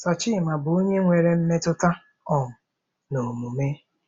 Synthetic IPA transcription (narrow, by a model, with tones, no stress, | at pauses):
sɔ˨t͡ʃɪ˦˨ma˨bʊ˨o˦ɲe˦ŋʷe˨ɾe˦m̩˦me˦tʊ˦ta˦ | ɔ˨ŋ̩˨ | no˨mu˨me˦